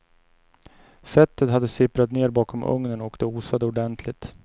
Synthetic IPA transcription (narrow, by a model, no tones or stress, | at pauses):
fɛt̪ʰːət̪had̪ːəsɪpɾat̪neːɾbɑːkʰɔmʔɵ̰ŋnənɔkd̪̥ɛuːsad̪əʊɖɛnt̪ʰlɪt̪